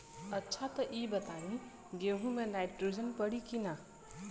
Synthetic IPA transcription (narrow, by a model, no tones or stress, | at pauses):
ətːʃʰat̪əʔibət̪anĩ | ɡeɦũmenajʈɾud͡ʒənpəɽikina